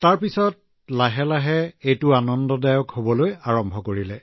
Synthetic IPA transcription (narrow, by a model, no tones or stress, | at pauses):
taɹpisɔt̚ | laɦɛlaɦɛejtʊanɔndɔdajɔkhobɔlojaɹɔmbʱɔkoɹilɛ